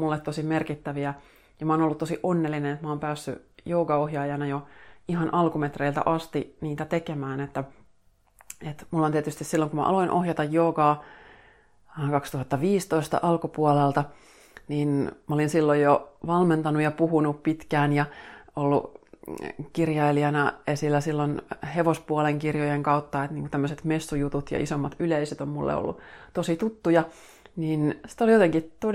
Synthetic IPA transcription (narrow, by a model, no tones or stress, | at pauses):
mulːet̪t̪osimerkit̪ːæʋiæ | jɑmæoːnolːut̪osiʔonːelːinenet̪mæoːmpæːsːy̰joːɡɑohjɑːjɑnɑjoiɦɑnʔɑlkumet̪reilt̪æ̰ʔɑst̪iniːt̪æt̪ekemæːnet̪ːæ | et̪mulːoniet̪yst̪issilːoŋkumæ̰ʔɑ̰loinʔohjɑt̪ɑjoːɡɑː | kɑkst̪uhɑt̪ːɑʋiːst̪oist̪ɑ̰ʔɑlkupuolelt̪ɑ | niːnmɑolinsilːojjoʋɑlment̪ɑnujɑpuhunuppit̪kæːnjɑolːṵ | kirjɑiliɑnɑesilːæsilːonheʋospuɑleŋkirjojeŋkɑut̪ːɑet̪niːŋkut̪æmːøset̪mesːujut̪ut̪jɑ̰ʔisomːɑt̪yleiset̪ommulːḛo̰lːṵt̪osit̪ut̪ːujɑ | niːnsi̥t̪oljot̪eŋkit̪o